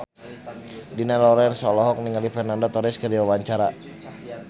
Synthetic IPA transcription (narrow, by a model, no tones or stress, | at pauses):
dinalɔɾɛnsɔlɔɦɔk̚niŋalifɛnandat̪ɔɾɛskədiwawaɲt͡ʃaɾa